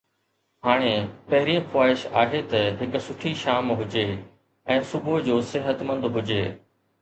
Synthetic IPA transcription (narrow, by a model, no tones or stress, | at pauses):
ɦaːɽ̃epɐɦɪɾiə̃xʊwaːɦɪʃaːɦet̪ɐɦɪkʊ̆sʊʈʰiʃaːmɦʊd͡ʑeː | ɛ̃ːsʊbʊd͡ʑoːsɪɦət̪mə̃nd̪bʱʊd͡ʑeː